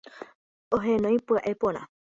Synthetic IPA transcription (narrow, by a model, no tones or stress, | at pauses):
oɦẽnõj̃pɨaʔepõɾ̃ã̰